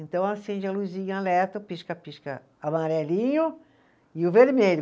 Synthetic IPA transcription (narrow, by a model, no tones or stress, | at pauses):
ẽnt̪ɐ̃w̃asẽnd͡ʒɪɐluzĩɲʊalɛt̪ɐpiʃkɐpiʃkɐ̰ | amaɾɛlĩɲʊ | ɪʊveɾmeʎʊ